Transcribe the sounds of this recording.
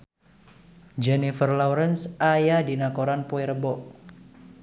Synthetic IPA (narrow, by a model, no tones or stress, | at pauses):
d͡ʒɛnifərlɔwɾənsajadinakoɾanpoiɾəbɔʔ